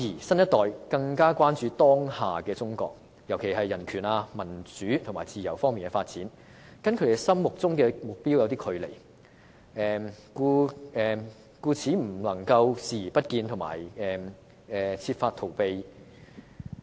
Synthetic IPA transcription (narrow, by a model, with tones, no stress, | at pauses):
jiː˨˩sɐ˥njɐ˥t̪ɔː˨˩jkɐ˧ŋkaː˥kwaː˥nt͡ʃyː˨˧t̪ɔː˥ŋhaː˨kɛː˧t͡sʊ˥ŋkɔ̰ː˧k̚ | jɐ˨˩wkʰe˨˩jɦɐ˨jːɐ˨˩nkʰyː˨˩naː˧mɐ˨˩nt͡syː˨˥t̪ʰmaː˨˩jt͡siː˨˩jɐ˨˩wfɔː˥ŋmiː˨nkɛː˧faː˧t̚t͡siː˨˥n | kɐ˥nkʰɵ˨˧˥d̪e˨˧sɐ˥mːʊ˨k̚t͡sʊ˥ŋkɛː˧mʊ˨k̚piː˥wjɐ˨˧wt̪iː˥kʰɵ˨˧ɥle˨˩j | ɛː˨kuː˧ɛː˨˩ | kuː˧t͡sʰiː˨˥m̩˨˩lɐ˨˩ŋkɐ˧wsiː˨˩jːpɐ˥t̚kiː˧nt̪ʰʊ˨˩ŋma̰ː˨˩jɛ˨ | ɛ˨t͡sʰiː˧tfaː˧t̪ʰo˨˩wpe˧j